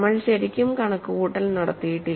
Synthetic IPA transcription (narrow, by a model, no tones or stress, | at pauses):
mːɐɭɕɐɾikʲːumkɐɳɐkːɨhuːʈːɐlnɐɽɐ̰t̪ːijiʈːi